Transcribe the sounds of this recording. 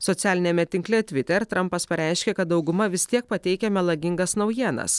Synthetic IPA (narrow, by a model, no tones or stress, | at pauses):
sɔt̪sʲæːlʲɪnʲɛmʲɛt̪ʲɪŋklʲɛt̪ʲʋʲɪt̪ʲɛɾt̪ɾɐmpɐspɐɾʲɛˑɪʃʲkʲɛkɐt̪̚d̪ɒʊɡʊmɐʋʲɪsʲt̪ʲiɛk̚pɐt̪ʲɛɪkʲɛmʲɛlˠɐɡʲɪŋɡɐsnɐʊjiɛnɐ̰s